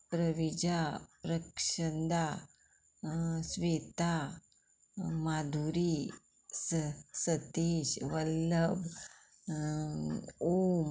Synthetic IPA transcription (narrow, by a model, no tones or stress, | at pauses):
pɾəʋid͡ʑapɾəkʂənd̪a | sʋeːt̪a | mad̪ʱuɾi | səsət̪eɕʋəlːəb | om